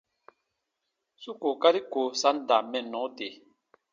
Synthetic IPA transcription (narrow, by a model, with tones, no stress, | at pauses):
su˦ko˨ka˦ɾi˦ko˨sa˦n˦da˨mɛ˦˨nɔ̃˨˦te˨